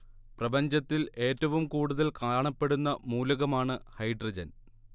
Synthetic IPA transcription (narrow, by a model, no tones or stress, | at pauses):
prɐbɐɲd͡ʑɐt̪ːile̞ːtːɐʋumkuːɽuðɐlkaːɳɐpːe̞ɽunːɐmuːlɐɣɐmaːɳɨhɐjɖrɐd͡ʑɐn